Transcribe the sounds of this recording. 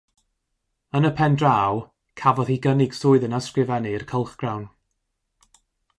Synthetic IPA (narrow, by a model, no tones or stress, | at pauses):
ənəpʰɛndraːw | kʰavɔð̥hiɡənɪɡ̥sʊːɨðənaskrɪvɛniərkʰəlˠχɡ̥rawn